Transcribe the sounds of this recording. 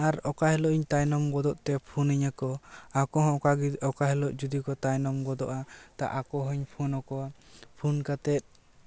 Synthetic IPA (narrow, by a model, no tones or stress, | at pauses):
aɾɔkaɦɛlɔʔiɲt̪ajnɔmɡɔd̪ɔʔt̪ɛpʰuniɲakɔakɔɦɔ̃aɔkaɦɛlɔʔd͡ʒud̪ikɔt̪ajnɔmɡɔd̪ɔʔat̪a̰ʔakɔɦɔɲpʰunɔkɔapʰunkat̪ɛt̪̚ˀ